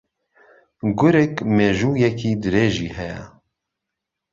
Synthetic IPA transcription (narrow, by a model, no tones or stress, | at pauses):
ɡʊɾɛkmeːʒuːjɛkʰiːd̪ɨɾeːʒiːhɛjɛ̰